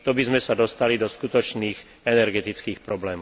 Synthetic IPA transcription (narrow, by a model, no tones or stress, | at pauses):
t̪ɔbizmɛsad̪ɔst̪alid̪ɔskut̪ɔt͡ʃniːx | ɛnɛɾɡɛt̪it͡skiːxpɾɔblɛːmɔ